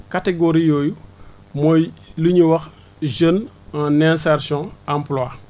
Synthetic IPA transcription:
kateɡoɾijoːju | mojliɲuwɐx | ʒən | nɛnsaɾsɔ̃ãmpla

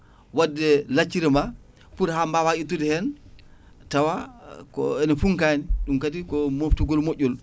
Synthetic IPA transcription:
wadːɛlat͡ʃːiɾɛma | puɾhambawaʔitːudɛhɛn | tawakɔ̰ɛnɔfuŋkaniɗumkatikɔmoftuɡɔlmoʔʲːɔl

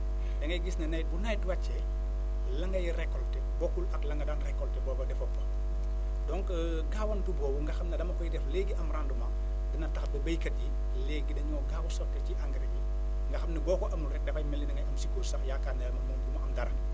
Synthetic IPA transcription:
dɐŋɡɐjɡisnɐnɐjt̚bunɐjtwɐt͡ʃːɛ | lɐŋɡɐjrɛkːɔltɛbɔkːulɐklɐŋɡɐdanrɛkːɔltɛbɔːbɐdɛfɔpːɐ | dɔŋk | ɡaːwɐntubɔːbuŋɡɐxɐmnɐdɐmɐkɔjidɛfleːɡiʔɐmrandumɐ | dɐnɐtɐxdɐbɐjkɐt̚ji | leːɡːidɐɲɔːɡaːwɔsɔtːɐciʔɐŋɡɾii | ŋɡɐxɐmnɐbɔːkɔʔɐmulɾɛk̚dɛfɐjmɛlːɛnɐŋɡɐjɐmsikulsɐxjakaːndɛlɐmɐmɔmbumɐɐmdɐɾɐ

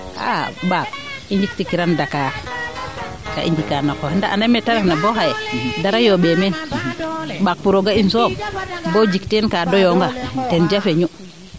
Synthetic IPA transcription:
a̰bak̚ | iɲd͡ʒik̚tikiɾandaka | ka̰ʔḭɲd͡ʒikanakondaʔa̰ndametaɾaknabohajedaɾajoɓemen | bak̚puɾoɡainsombod͡ʒiktenkadojoŋɡatend͡ʒafeɲu

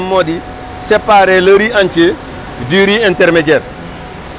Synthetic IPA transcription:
mːodi | sepaɾelɐɾiaɲt͡ʃe | diɾienteɾmeɟeːɾ

